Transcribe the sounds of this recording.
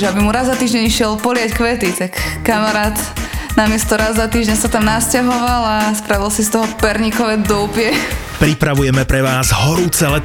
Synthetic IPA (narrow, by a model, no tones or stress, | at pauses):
ɛabimuɾazːat̪iːʒɟɛɲiʃɪɛlpɔlɪackʋɛt̪it̪akːamaɾaːt̪namɪɛst̪ɔɾazzat̪iːʒɲɛsat̪amnascaɦɔʋalaspɾaʋilsist̪ɔɦɔpɛɾɲikɔʋɛd̪ɔʊpɪjɛ | pɾipɾaʋujɛmɛpɾɛʋaːzɦɔɾuːt͡sɛlɛ